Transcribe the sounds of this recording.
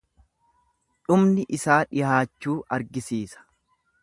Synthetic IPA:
ᶑʊmnɪʔɪsaːᶑɪhaːt͡ʃːuːʔɐɾɡɪsiːsɐ̥

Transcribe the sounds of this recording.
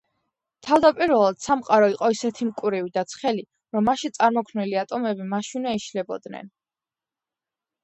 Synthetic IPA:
t̪ʰavd̪apʼiɾvɛlˠad̪̥samqʼaɾɔiqʼɔisɛt̪ʰimkʼuɾivid̪at̪sʰχɛli | ɾɔmːaʃint̪sʼaɾmɔkʰmnɛliat̪ʼɔmɛbimaʃinaiʃlɛbɔ̰d̪nɛ̰n

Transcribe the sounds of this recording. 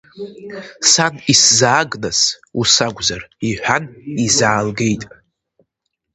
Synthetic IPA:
saniszaːɡnasusaɡʷzariħʷᶣanizaːlɡe̞jtʼ

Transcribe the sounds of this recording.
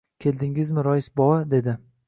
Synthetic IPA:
kʲʰe̞ld̪ɪŋɪzmɪɾɒjɪsbɒwad̪e̞d̪ɪ

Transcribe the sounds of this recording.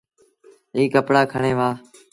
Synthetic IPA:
iːkəpɽaːkʰəɳẽːʋaː

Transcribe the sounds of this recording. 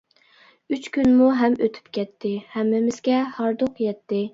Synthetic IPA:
yt͡ʃkʲynmuɦɛmøt̪ʰy̥pkʲɛt̪ʰːɪhɛmːɪmɪzɡʲɛhɑɾd̪oqjɛt̪ʰːɪ

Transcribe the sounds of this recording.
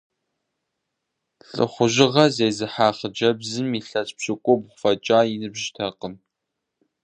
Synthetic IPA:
ɬʼɨ̰χʷʊʒɪʁɐzejzɨħaːχəd͡ʒɐbzɨmiːɬɐsʼpɕʼɪkʷʼʊbʁʷʊfɐt͡ʃʼaːinɨbʒtʰɐqəm

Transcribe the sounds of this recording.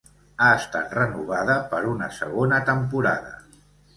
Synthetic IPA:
aəst̪a̰t̪rənuβ̞aðəpəɾunəsə̰ɣ̞onət̪əmpuɾa̰ðə̰

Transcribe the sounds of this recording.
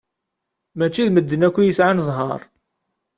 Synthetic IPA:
mæt͡ʃːiðməd̪ːənækʷːijəsʕanzˤɦɑ̰ɾˤ

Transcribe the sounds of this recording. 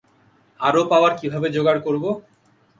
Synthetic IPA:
aɾopaoaɾkibʱabed͡ʑoɡaɽkoɾbo

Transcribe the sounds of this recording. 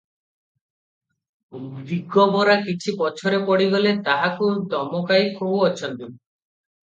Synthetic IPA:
biɡɔbɔɾakit͡ʃʰipɔt͡ʃʰɔɾepɔɽiɡɔlet̪aɦakud̪ʱɔmɔkajkʰubwɔt͡ʃʰɔnt̪i

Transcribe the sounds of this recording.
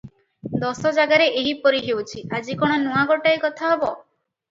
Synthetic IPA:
d̪ɔsɔd͡ʒaɡaɾeeɦipɔɾiɦewt͡ʃʰiʔad͡ʒikɔɽ̃ɔnuaɡɔʈaekɔt̪ʰaɦebɔ

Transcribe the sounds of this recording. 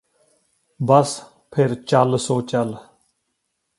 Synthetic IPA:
bəs | pʰɪɾt͡ʃəlsoːt͡ʃəl

